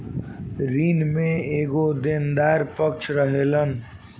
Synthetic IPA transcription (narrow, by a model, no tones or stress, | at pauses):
ɾiːnmẽeːɡod̪end̪aːɾpəkt͡ʃʰɾəɦelən